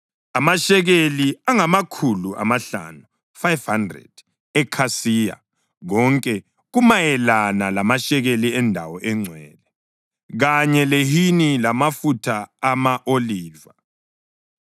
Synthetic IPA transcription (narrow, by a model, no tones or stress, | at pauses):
amaʃɛɣeliaŋamakʰuluʔa̰maɬa̰nu | fajvhandrɛ̰d̥ | ɛkʰasiːja̰ | ɣɔŋkʼɛ | ɣumajɛlanalamaʃɛɣeliɛndʱawɔʔɛŋ͡ǀʱwɛːlɛ | ɣaɲɛleɦinilamafutʰaːmaʔoliːva